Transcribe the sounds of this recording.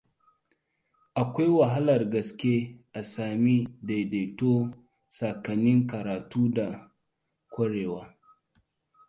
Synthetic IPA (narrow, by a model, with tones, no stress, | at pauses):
ʔa˨kʷa˦jwa˨ɦa˦lɐ˨rɡɐ˨skʲe˦ʔa˨saː˨mi˦de˨de˨to˦ | sa˨kɐ˨nːɪ˦ŋkɐ˨ɾaː˨tuː˦da˨ | kʷɐ˦ɽeː˨waː˦